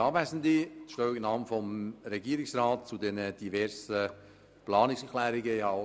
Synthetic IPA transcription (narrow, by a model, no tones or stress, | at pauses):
ɑːbvæsənd̪iʃtœːɪɡɪnɑːmfɔmɾɛɡiəɾɪksɾɑːt̚t͡sud̪ɛnəd̥ivɛɾsə | plɑːnɪksɛklæːɾɪɡəiɑ